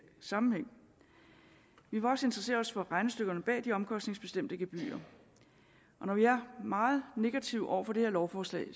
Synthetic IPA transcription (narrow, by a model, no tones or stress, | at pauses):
sɑ̈mm̩heŋ̰ | ʋiʋɑ̈ɒ̽se̝nd̥ʁɐse̝̰ːɐɒ̽sfɒ̽ʁɑ̈ɪnəsd̥øɡ̥ɐnəb̥ɛ̰ːd̥iɒ̽mkʰɒ̽sd̥ne̝ŋsb̥e̝sd̥em̰d̥əɡ̥e̝b̥y̰ːɐ | ʔɒ̽nɒʋiæɐmɑ̈ːð̞̩ˠne̝ɡ̥æt͡sʰiʊʔɒ̰ʊ̰ɐfɒ̽dehe̝ɐ̰lɒʊfɒːslɛ̰ːɪ